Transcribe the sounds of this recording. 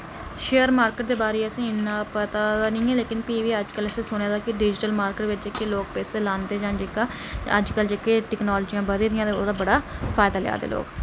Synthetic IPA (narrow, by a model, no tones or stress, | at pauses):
ʃeːəɾmaːɾkəːʈ̚d̪eːbaːɾeːəsĩːɪnːãːpət̪aːd̪aːnĩːɛːleːkɪnpiːʋiːəd͡ʒkələsĩːsʊñeːd̪aːkɪɖɪd͡ʒʈəlmaːɾkeʈʋɪt͡ʃd͡ʒekːeːloːk̚peːst̪eːlãːnd̪eːd͡ʒãːd͡ʒeːkaːə̰d͡ʒkəld͡ʒekeːʈɛːknɔːloːd͡ʒijãːbəd̪iːd̪ɪjãːt̪eo̰ːd̪aːbəɽaːpʰaːɪd̪aːlɛ̰a̰ːd̪ḛːlo̰ːk